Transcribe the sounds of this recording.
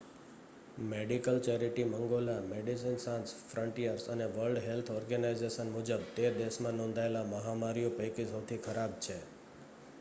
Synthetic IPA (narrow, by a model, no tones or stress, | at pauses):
meɖikəlt͡ʃɛɾiʈiməŋɡolameɖis̬insãnsfɾəɳʈijəɾsəneʋəɾlɖɦelt̪ʰɔɾɡənaizeʃənmʊd͡ʒəb̚t̪ed̪eʃmãnɔ̃nd̪ʱaelaməɦamaɾijõpejkisot̪ʰikʰəɾab̚t͡ʃʰe